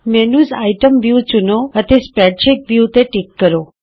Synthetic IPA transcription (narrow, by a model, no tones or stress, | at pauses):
mɛnuzajʈəmʋjut͡ʃunoət̪espɾɛʈt͡ʃik̚ʋjut̪eʈikːəɾo